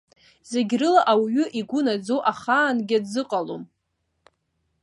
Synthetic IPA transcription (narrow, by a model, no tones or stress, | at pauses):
z̥eɡʲrɨlaʔawɥʏʔiɡʷʊnad͡zowʔaχaːnɡʲadzɨqʼalo̰m